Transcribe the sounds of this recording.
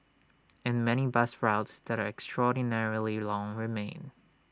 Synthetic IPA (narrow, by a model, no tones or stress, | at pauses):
ɨ̃nmɛɾ̃ibʌsɹaʊtsðɨɾə˞ɛkstɹ̥ɔdⁿnɛɹlˠilɔ̃ŋɹɪmẽɪ̃n